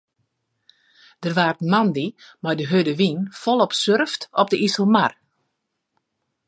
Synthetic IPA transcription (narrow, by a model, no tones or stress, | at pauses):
d̥ərʋaːrtmandimajdəɦødəʋinfɔlˠɔpsørftɔpdəʔisəlˠmar